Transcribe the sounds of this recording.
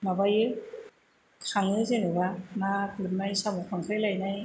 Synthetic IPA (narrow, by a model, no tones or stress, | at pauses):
mabajɯ | kʰaŋɯzenɯɡamakɯtmajsamɔkʰaŋkʰɯjlajnaj